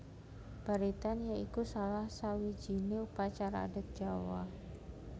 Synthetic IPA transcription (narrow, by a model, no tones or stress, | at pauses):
b̥aɾit̪anjaikusalahsawi̥d͡ʒ̥i̤neupat͡ʃaɾaːdat̪̚d̥ʒ̥awa̰